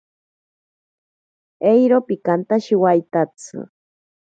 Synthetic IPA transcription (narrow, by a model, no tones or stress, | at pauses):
ejɾopikant̪aʃiwajt̪at͡sɨ̰